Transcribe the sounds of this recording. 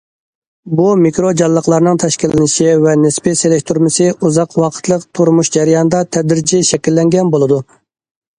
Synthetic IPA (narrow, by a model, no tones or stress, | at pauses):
bumikɾod͡ʒɑlˠːəqʰlˠɑɾnɨŋt̪ʰɛʃkʲilɪnɪʃivɛnɪspɪselɪkʲt̪ʰuɾmɨsɨuzɑqwɑqʰə̥t̪ʰlˠəqt̪ʰuɾmuʃd͡ʒɛɾɨjɑnɨd̪ɑt̪ʰɛd̪ɾɪd͡ʒɪʃɛkʲilːɛŋɡʲɛnbolˠɨd̪u